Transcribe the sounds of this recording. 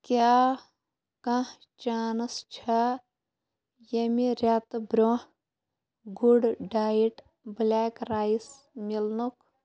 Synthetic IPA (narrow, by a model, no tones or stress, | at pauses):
kjaː | kɐ̃h | t͡ʃaːnɐst͡ʃʰɐ | jemiɾʲat̪bɾoh | ɡuɖɖaːjiʈ | blʲaːkɾaːjs | milnuk